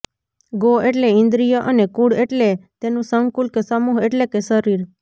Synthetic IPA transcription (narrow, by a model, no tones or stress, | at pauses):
ɡoʔeʈleɪ̃nd̪ɾijaʔənekuɽeʈlet̪enũsəŋkulkesəmuɦeʈlekesəɾiɾ